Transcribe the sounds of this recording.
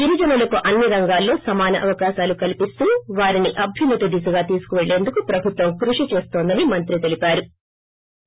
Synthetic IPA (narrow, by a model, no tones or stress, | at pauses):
d̪iɾɐd͡ʒɐnɐlɐkuʔɐnːiɾɐŋɡaːlːo̞ːsɐmaːnɐ̰ʔɐʋɐkaːʃaːlukɐlipist̪uːʋaːɾiniʔɐbʱjunːɐt̪ud̪is̬ɐɡaːt̪iːsu̥kuʋe̞ɭːe̞ːnd̪ukupɾɐbʱut̪ʋɐmkɾuʂit͡ʃe̞ːst̪oːnd̪ɐnimɐnt̪ɾit̪e̞lipaːɾu